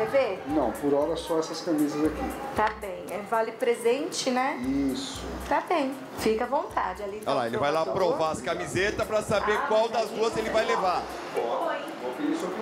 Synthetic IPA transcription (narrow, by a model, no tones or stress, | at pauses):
evenɐ̃w̃pʊɾɔɾɐsɔɛsɐskamizɐzakit̪abẽj̃ɛvalɪpɾezẽnt͡ʃɪnɛis | ʊt̪abẽj̃ | fikɐvõnt̪a̰d͡ʒɪaliɛlaelɪvajlapɾovaɐskamizet̪ɐpɾɐsabeɾkwawd̪ɐzd̪uɐzelɪvajlevaɾ̃ | okeisek